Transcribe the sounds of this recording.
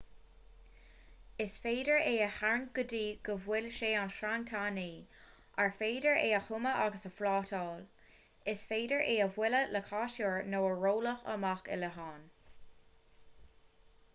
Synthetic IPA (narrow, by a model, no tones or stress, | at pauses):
ɪsfeːdəɹeːəhaɹnɡ̥ʊdiːɡ̥əvwɪlʃeːanʃɾaŋtʰaːniː | ʔaɹfeːdəɹʔeːəxʊməʔaɡəsəfɾɑːtʰɑːl | ɪsfeːdəɹʔeːəvwɪlələkʰɑːʃoɹnoːəɹoːləxə̰maxɪ̰ləɦɑːn